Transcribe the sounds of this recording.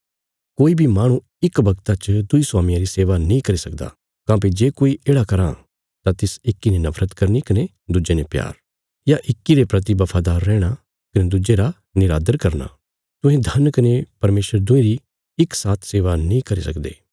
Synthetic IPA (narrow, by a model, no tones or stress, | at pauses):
koːibʱimaːɽ̃ũ | ɪkbɐɡt̪at͡ʃəd̪ʊisʊwaːmɪ̃jãɾiseːʋanĩkɐɾisɐkd̪a̰ | kãːp̬id͡ʒeːkoːiʔeːɽakɐɾã | t̪ãt̪ɪsɪkːinenɐfʰɾət̪kɐɾnikɐne | d̪ud͡ʒenepja̰ːɾ | jaʔɪkːiɾepɾɐt̪ibɐpʰaːd̪aːɾːɛːɽ̃a | kɐned̪ʊd͡ʒeɾa | nɪɾaːd̪əɾkɐɾna̰ː | t̪ʊ̃ɦẽd̪ʱɐnkɐnepɐɾmeːsəɾd̪ʊẽɾi | ɪksaːt̪ʰseːʋanĩkɐɾisɐkd̪ḛː